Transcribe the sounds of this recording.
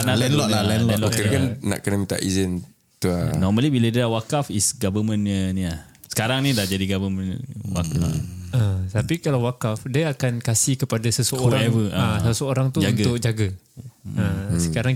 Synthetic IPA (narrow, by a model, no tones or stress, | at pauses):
analɛnlɔlalɛnlɛnlɔkənkanna̰ʔkənəmĩt̪a̰ʔizin | t̪uanɔməlibilədalawakafisɡavəmə̃nənĩla | sə̥kaɾaŋnĩdahd͡ʒadiɡavəmə̃nwa̰ka̰ət̪apikalawwakafdəakankasihkəpadasəsəouɾaɛvəaaasəoɾaŋt̪ud͡ʒaunɡat̪ʊk̚d͡ʒaɡa | əsəkaɾaŋ